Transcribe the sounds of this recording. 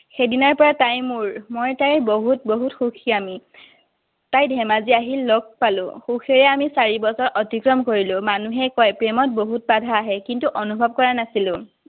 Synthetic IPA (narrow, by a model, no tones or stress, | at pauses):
xedinɔɹpɔɹatajmuɹmojtajboɦutboɦutxuxʰiami | tajdʱɛmaziaɦilːɔɡ̚palʊ̰̃xuxʰeɹɛamisaɹibɔsɔɹʔɔtikɹɔmkoɹilʊ̃manuɦɛkɔjpɹemɔt̚boɦut̚badʱaːɦɛkintuʔɔnubʱɔb̚kɔɹanasilʊ̃